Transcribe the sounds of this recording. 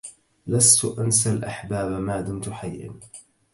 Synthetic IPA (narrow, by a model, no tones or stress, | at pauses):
last̪ʊʔans̬alʔaħbaːbmaːd̪ʊmt̪ʊħajʔɪ̰n